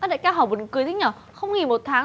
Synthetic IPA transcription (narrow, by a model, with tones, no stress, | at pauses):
ʔə˧˦ɗa̰ː˧˨jkaː˧˦ɦɔː˨˩ɓnkɨ˨˩əjt̪ʰi˨˦ɲɔː˨˩ | xə˧wŋ͡mŋi˨˩mo˨˩t̚t̪ʰaː˨˦